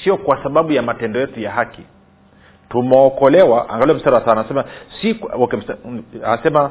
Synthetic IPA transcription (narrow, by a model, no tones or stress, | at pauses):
siɔkwasaɓaɓujamatɛndɔjɛtujaɦaki | tumɛɔkɔlɛwaʔa̰ŋɡalɛɛm̩staɾawasaanasɛmasikwakɛm̩a̰sɛma